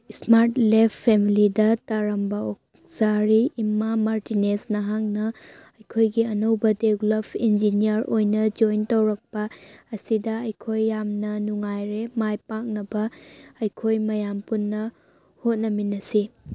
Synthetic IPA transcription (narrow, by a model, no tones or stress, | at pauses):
smaɾtlepʰpʰːemilidɐtɐɾɐmbɐok̚ | saɾiːmːamaɾtinesnɐɦaŋnɐɐjkʰojɡiɐnɐwbɐdeɡlɐpʰind͡ʒinijɐɾojnɐd͡ʒojntɐwɾɐk̚pɐːsidɐɐjkʰojːamnɐnuŋajɾemajpak̚nɐbɐɐjkʰojmɐjampunːɐ | hot̚nɐminɐsi